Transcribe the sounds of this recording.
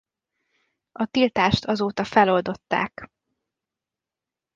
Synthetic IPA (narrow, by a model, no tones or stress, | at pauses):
ɒt̪ilt̪aːʃt̪ʰɒzoːt̪ɒfɛlo̞ld̪o̞t̪ːa̰ːk